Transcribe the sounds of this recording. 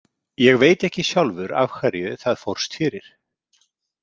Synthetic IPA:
jɛɣveːjt̪ɛhcɪsjawlvʏɾa̰vkʰvɛɾjʏθaðfowr̥st̪fɪːɾɪɾ̥

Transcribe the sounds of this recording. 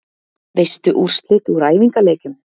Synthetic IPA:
vejst̪ʏʔur̥st̪lɪt̪uɾaːjviŋkaleːjcʏm

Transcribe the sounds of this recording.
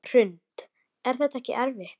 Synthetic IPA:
r̥ʏnt̪ | ɛɾ̥θɛt̪ɛhcɪ̰ʔɛɾvɪxt̪

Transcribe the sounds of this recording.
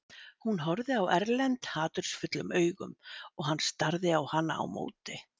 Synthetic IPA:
hunɦɔɾðɪawɛɾlɛnt̪haːt̪ʏɾ̥sfʏt̪lʏmœːɥɣʏmɔɣhanːst̪aɾðɪawhanːa̰a̰wmo̰ːwt̪ɪ

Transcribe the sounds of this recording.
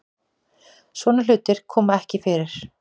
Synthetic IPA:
svɔːnal̥ʏːt̪ɪɾ̥kʰɔːmaɛhcɪfɪːɾɪɾ̥

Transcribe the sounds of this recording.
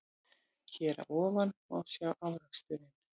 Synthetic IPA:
cʰɛːɾa̰ʔɔːvanɔwsjawʔawɾakst̪ʏːðɪn

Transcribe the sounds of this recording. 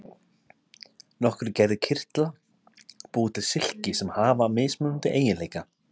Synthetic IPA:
nɔhkʏɾceːjðʏcʰɪr̥t̪la | puːt̪ɪsɪl̥cɪsɛmhaːvameːjsmœːnʏnt̪ɪʔeːjɪnleːjka

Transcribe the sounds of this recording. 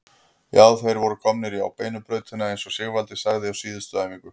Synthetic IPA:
jaːwθejɾvɔɾʏkʰɔmnɪɾia̰wpeːjnʏpɾœːɥt̪ɪnːaejnsɔsɛɣvalt̪ɪsaɣðɪawsiːðʏst̪œðamiːkʏ

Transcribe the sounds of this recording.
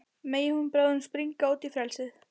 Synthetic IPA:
meːjɪhunpɾawðʏnspɾiŋkaːwt̪ifɾɛlsɪð

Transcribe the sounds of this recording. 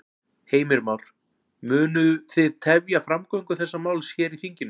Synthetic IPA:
heːjmɪɾmawɾ̥ | mʏːnʏθɪðt̪ʰɛvjafɾamkɔiŋkʏθɛsːamaːwlsjɛɾiθiɲcɪnʏ

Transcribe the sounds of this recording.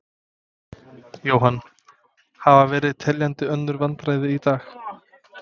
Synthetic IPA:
joːwɦanː | havavɛːɾɪðt̪ʰɛljant̪ɪœnːʏɾvant̪ɾaːjðɪit̪aːx

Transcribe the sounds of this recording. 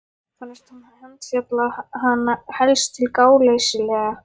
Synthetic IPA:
fanɛst̪hanhahɛnt̪sjat̪lahanːahɛlst̪ʰɪlkaːwlejsɪlɛːɣa

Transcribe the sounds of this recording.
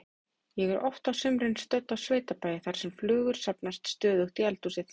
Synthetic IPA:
jɛɣɛɾʔɔft̪awsʏmɾɪnst̪œt̪ːawsveːjt̪apaːjɪθaɾ̥sɛmflʏːɣʏɾ̥sapnast̪st̪œːðʏxt̪iɛlt̪usɪθ

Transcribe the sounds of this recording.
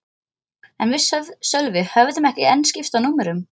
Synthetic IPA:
ɛnvɪsœvðsœlvɪhœvðʏmɛhcɪɛnscɪft̪awnuːmɛɾʏm

